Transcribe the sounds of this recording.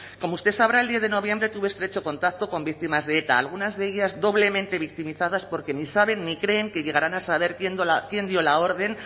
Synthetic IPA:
ko̞moust̪e̞saβɾaeld̪jeθðe̞no̞β̞je̞mbɾe̞t̪uβost̪ɾe̞t͡ʃo̞ko̞nt̪ak̚t̪o̞ko̞mbik̚t̪imazðe̞e̞t̪a̰ːlɣ̞unazðe̞eʎazðo̞β̞le̞mẽ̞nt̪e̞βik̚t̪imiθaðaspo̞ɾke̞nisaβe̞nːikɾe̞ːŋke̞ʎe̞ɣ̞aɾanasaβ̞e̞ɾkjend̪olakje̞nd̪jo̞lao̞ɾðe̞n

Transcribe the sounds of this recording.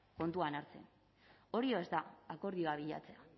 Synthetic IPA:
ko̞nt̪uanaɾt͡se̞̰n | o̞ɾio̞e̞st̪aako̞ɾð̞io̞aβiʎa̰t͡se̞a

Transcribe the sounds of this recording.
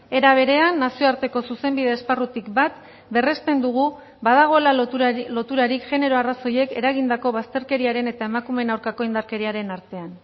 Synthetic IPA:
e̞ɾaβ̞e̞ɾe̞anːasio̞aɾt̪e̞ko̞suse̞mbið̞e̞ːsparut̪ikbat̪ | be̞re̞st̪e̞nd̪uɣ̞u | βað̞aɣ̞o̞elalo̞t̪uɾaɾikʝe̞ne̞ɾo̞araso̞je̞ke̞ɾaɣind̪ako̞βast̪e̞ɾke̞ɾiaɾe̞ne̞t̪ae̞makume̞nawɾkako̞ind̪aɾke̞ɾiaɾe̞naɾt̪e̞an

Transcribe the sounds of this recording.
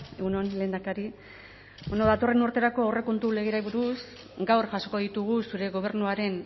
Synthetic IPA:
eɣunonle̞ːnd̪akaɾi | benoðat̪o̞re̞nuɾt̪e̞ɾako̞awre̞ko̞nt̪ule̞ɣ̞eɾaiβuɾus | ɡawɾʝaso̞ko̞ðit̪uɣ̞usuɾe̞ɣo̞β̞e̞ɾnuaɾe̞n

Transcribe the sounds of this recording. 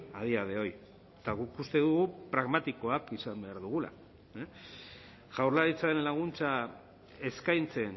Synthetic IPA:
að̞iað̞e̞o̞j | t̪aɣukust̪e̞ðuɣupɾaɣmat̪iko̞akisambe̞aɾðuɣ̞ula̰ | ʝawɾlaɾit͡saenlaɣ̞unt͡sa | e̞skajnt͡se̞n

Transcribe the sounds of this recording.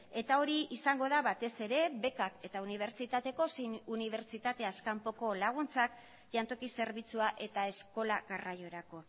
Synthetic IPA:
e̞t̪ao̞ɾiisaŋɡo̞ðaβat̪e̞se̞ɾe̞βe̞kake̞t̪auniβ̞e̞ɾt͡ʃit̪at̪e̞ko̞suniβ̞e̞ɾt͡ʃit̪at̪e̞askampo̞ko̞laɣ̞unt͡sak | ʝant̪o̞kise̞ɾβit͡suaʔe̞t̪ae̞sko̞laɣarajo̞ɾako̞

